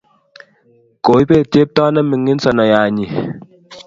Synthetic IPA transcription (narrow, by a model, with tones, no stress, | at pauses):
ko˨i˦pe˦˨te˦p̚tɔ˦nɛ˦mi˨ŋːi˦n̩˦sɔ˨nɔ˨ja˨ɲi˨